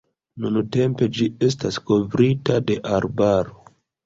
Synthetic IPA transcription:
nunute̞mpe̞d͡ʒie̞s̬tasko̞vɾitade̞ʔaɾbaɾo

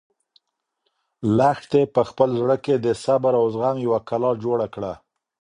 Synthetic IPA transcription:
laxt̪epəxpəlzɽəked̪əsabaɾawzɣaŋjawakalɑd͡ʒoɽakɽa

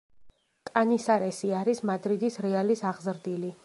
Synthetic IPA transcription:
kʼanisaɾɛsiaɾismad̪ɾid̪isɾɛalisaʁzɾd̪ili

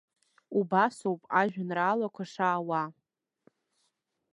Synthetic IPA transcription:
ubasowpʼaʒᶣanraːlakʷʰaʂaːwa

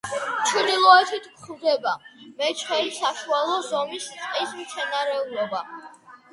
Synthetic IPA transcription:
t͡ʃʰunilˠɔɛt̪ʰit̪ʰkχld̪ɛbamɛt͡ʃʰwɛnisaʃualˠɔzɔmist̪ʼqʼismt̪sʰɛnaɾɛulˠɔba

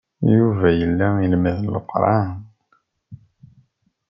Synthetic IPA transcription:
juvæjəlːæilməðlə̰qːɾˤɑn

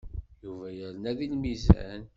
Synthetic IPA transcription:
juvæjəɾnæðilmizæ̰n

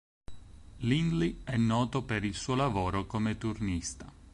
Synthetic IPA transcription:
linliɛnːɔːt̪opeɾilsuːolavoːɾokomet̪urnist̪a

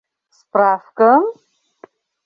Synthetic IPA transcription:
spʼrafkʼa

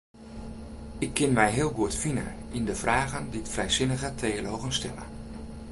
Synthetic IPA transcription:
ɪkʰːɪnmɛjɦɪːəlˠɡuətfinə̰indəv̥raːɣənditfrɛjzɪnəɣətʰeːəlowɣənstɛ̰lə̰

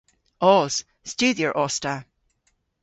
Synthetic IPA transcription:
ɔz̥ | stʉːðjəɹʔɔsta

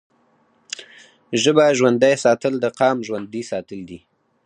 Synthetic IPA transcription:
ʒəbaʒwand̪ajsɑt̪əld̪əqɑmʒwand̪isɑt̪əld̪i

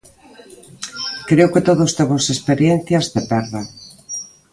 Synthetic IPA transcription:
kɾeokɪt̪oðost̪eβosespeɾjen̟θjazðepɛɾða

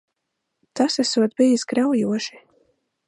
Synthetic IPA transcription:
t̪asɛsuɔt̪̚bijisɡɾawjuɔʃi̥

